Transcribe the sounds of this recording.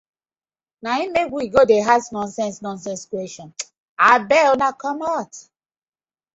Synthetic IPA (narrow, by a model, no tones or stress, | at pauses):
naimeɡʷiɡodeɦasnɔ̃nsɛ̃nsnɔ̃ns̬ɛ̃nskweʃɔ̃n | abɛonakɔmat